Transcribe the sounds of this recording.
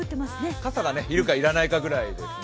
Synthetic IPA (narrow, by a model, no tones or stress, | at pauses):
ɯ̟t̪ːemasɨnekasaɡane̞iɾɯ̟kaiɾanaikaɡɯ̟ɾaid̪e̞s